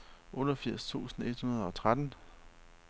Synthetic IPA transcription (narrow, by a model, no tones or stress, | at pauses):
ʔɔ̽ːɾ̥ɒfiɐ̰st͡sʰṵːsn̩e̝d̥hunɐð̞ˠɒ̽t͡sʰʁad̥n̩